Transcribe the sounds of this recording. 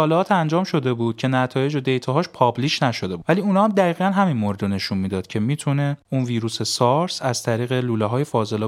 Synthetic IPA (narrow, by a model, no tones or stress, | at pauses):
ɒːleɒːt̪ʰænd͡ʒɒːmʃo̞d̪e̞buːd̪̥̚cʰe̞næt̪ʰɒːje̞d͡ʒod̪e̞jt̪ʰɒɦɒːʃpʰɒbliːʃnæʃo̞d̪e̞buvæliunɒːhæmd̪æɣiːɣiːɣænɦæminmoɾed̪one̞ʃunmiːd̪ɒːd̪̥cʰe̞miːt̪ʰune̞unviːɾuːsesɒɾsæz̥t̪ʰæɾiːɣe̞luːleɦɒːjefɒːze̞lː